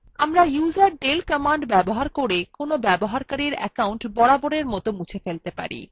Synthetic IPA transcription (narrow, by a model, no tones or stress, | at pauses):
amɾajuzaɾɖelkəmaɳɖbɛboɦaɾkoɾekonobɛboɦaɾkaɾiɾɛ̰kawɳʈbɔɽaboɽeɾmɔt̪omut͡ɕʰefelt̪epa̰ɾḭ